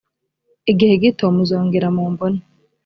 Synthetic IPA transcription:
iɡiheɡitomuzoːŋɡiɾamoːmboni

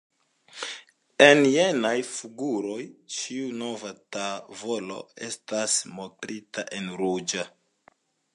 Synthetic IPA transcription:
enje̞najfuɡuɾo̞jt͡ʃiuno̞vatavo̞lo̞̰e̞stasmotɾitaʔe̞nɾud͡ʒa

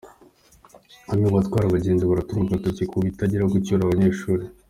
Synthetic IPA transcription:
aβjoβatwaːɾaβaɟeːndaβaɾatumɡaɡatocekuβitaɟiɾaoɡucuɾaβaɲeɾʃuːɾe

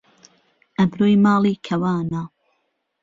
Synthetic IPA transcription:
ʔɐbɾoːjmɑːlˠiːkʰɐwaːnaː

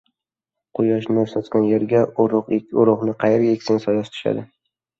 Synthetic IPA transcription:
qʰʊjɒʃnɪsɒt̪kʲanje̞ɾɡʲaʊɾʊqʊɾʊʁnɪqʰɑjeɾɡʲaekʲsɪŋsɒjast̪ʰʊ̥ʃa̰d̪ɪ

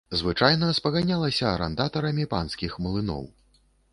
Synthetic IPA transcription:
zvɨt͡ʂajnɐspɐɣanʲalˠɐsʲɐːɾɛ̰nd̪at̪ɐɾɐmʲipa̰nskʲixmɐlˠɨnɔ̰w

